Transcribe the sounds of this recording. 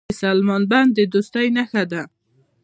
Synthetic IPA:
salmɑnband̪əd̪ʊst̪ajnaxad̪a

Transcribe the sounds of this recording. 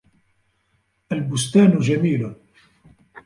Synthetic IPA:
ʔalbʊst̪aːnʊd͡ʒamiːlʊ

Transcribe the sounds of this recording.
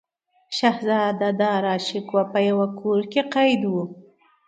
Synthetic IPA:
ʃahzɑd̪ad̪ɑɾɑʃɪkwapəjawakʰoɾkeqajd̪wu

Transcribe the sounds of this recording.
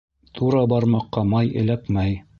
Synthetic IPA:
t̪ʰuɾɑbɑɾmɑqːɑmɑjɘ̆lækmæj

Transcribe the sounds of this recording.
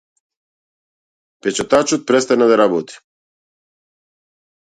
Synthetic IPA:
pɛt͡ʃat̪at͡ʃɔt̪̚pɾɛst̪anad̪aɾabɔt̪i̥

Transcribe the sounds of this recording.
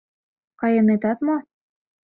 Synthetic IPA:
kɑjɤnet̪ɑt̪mo

